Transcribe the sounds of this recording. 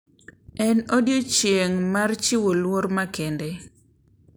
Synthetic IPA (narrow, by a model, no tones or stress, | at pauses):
ɛnodjot͡ʃjeŋmart͡ʃiwolwoɾmakende